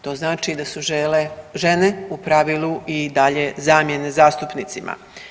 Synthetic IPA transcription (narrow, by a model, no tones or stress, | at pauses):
t̪o̞ːznaːt͡ʃid̪asuʒeleʒe̞ne̞upɾaʋiːlˠuʔid̪aʎe̞zaːmje̞nezaːst̪upnit̪simʔa̰